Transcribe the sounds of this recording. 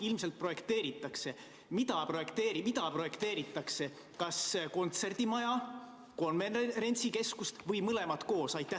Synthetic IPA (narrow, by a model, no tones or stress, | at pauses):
ilmselt̪̚pro̞je̞kt̪e̞ːɾit̪ːˑɑkse̞ | mid̪̥ɑpro̞jekt̪eːɾimid̪ɑpro̞je̞kt̪e̞ːɾit̪ːˑɑkse̞ | kɑsko̞nt̪se̞rd̪̥imɑjɑ | ko̞nvenɾe̞nʲt̪sike̞skust̪vɤjmɤle̞mɑt̪ko̞ːsɑjt̪ːˑæ